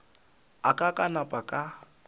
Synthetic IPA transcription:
akʼakʼanapʼakʼa

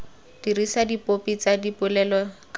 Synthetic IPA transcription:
d̥irisadipopit͡sadipʊlɛlɔk

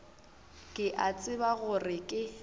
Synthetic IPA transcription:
kʼɪʔat͡sʼɪbaɣʊrɪkʼɪ

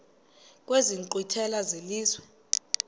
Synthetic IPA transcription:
kʼweziŋǃitʰɛlazeliːzwɛ

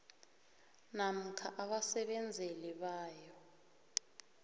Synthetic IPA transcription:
nam̩kʰaʔaɓasɛɓɛnd͡zʱɛlɛɓaːjɔ

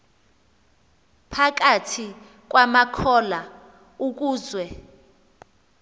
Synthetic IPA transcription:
pʰak̬atʰi | k̬wamakʰɔla | uk̬uːzwɛ

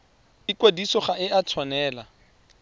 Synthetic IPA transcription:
ɪkwadisɔχaɪat͡sʰwanɛːla

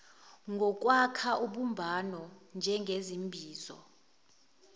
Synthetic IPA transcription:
ŋɡʱɔk̬ʼwakʰaʔuɓumbʱanɔnd͡ʒʱɛŋɡʱezimbʱiːzɔ̰

